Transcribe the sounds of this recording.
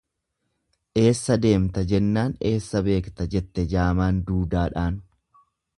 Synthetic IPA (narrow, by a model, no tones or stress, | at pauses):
ʔe̞ːsːɐd̪e̞ːmt̪ɐd͡ʒɛnːaːne̞ːsːɐbe̞ːkt̪ɐd͡ʒɛt̪ːɛd͡ʒaːmaːnd̪uːd̪aːᶑaːn